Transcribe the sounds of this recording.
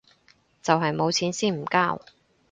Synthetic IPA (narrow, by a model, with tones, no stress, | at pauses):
t͡sɐ˨wɦɐ˨jmo˨˧wt͡sʰiː˨˥nsiː˥m̩˨˩kaː˥w